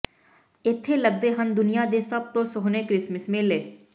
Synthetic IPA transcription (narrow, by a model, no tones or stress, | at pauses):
ɪt̪ʰːeləɡ̚d̪eːɦənd̪ʊnijaːd̪eːsəb̚t̪õːsoɦneːkɾɪsməsmẽːleː